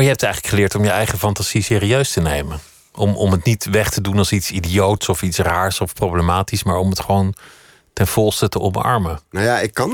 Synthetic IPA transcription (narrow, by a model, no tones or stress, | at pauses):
jəɦɛp̚tɛjχələkχəlɪːɹtɔmjəɛjχəfɑntaz̥isɪːriøɥstənejmə | ʔɔmɔ̰mətnitʋɛχtədunɑlˠsitsidijowtsɔfitsraːɹsɔfprowblemaːtismaːɹɔmətχəʋown | tɛnv̥ɔlˠstətəʔɔmɑ̰ɹmənajaɪkːɑn